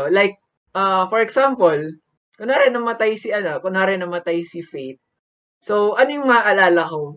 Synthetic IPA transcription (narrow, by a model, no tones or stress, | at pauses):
olajk̚ | ʔɐfɔɹɛksampol | koŋnaːɾɛnɐmɐt̪ajsɪʔɐnɐkːʊŋnaːɾɛnɐmɐt̪ajsɪfejt̪̚ | sowʔɐnojʊŋmɐaʔɐlaːlɐko